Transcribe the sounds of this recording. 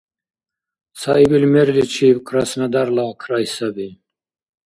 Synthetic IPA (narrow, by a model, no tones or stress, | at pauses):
saibilmɛɾlit͡ʃʰibkʼʰɾasnad̪aɾlakʰɾajsabi